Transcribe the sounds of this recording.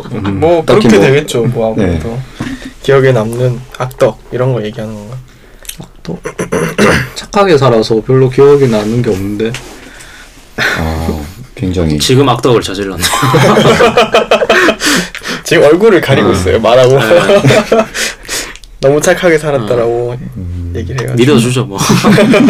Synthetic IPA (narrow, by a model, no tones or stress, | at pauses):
mwʌkɯɾʌkkʰedweɡe̞t̚t͡ɕ͈omwʌamutokijʌɡenamnɯnak̚t͈ʌk̚iɾʌnɡʌje̞ɡiɦanɯnɡʌnɡa | at | t͡ɕʰakʰaɡe̞sʰaɾasʰʌpjʌɭːokiʌɡenamnɯnɡe̞ʌmnɯnde̞ | kweŋd͡ʑaŋḭt͡ɕiɡɯmak̚t͈ʌɡɯɭt͡ɕʌd͡ʑiɭːan | t͡ɕiɡɯmʌɭɡuɾɯɭkaɾiɡois͈ʌ̰jomaɾaɡo | nʌmut͡ɕʰakʰaɡe̞sʰaɾat̚t͈aɾaɡoje̞ɡiɾɭɦea̰midʌd͡ʑud͡ʑʰomʌ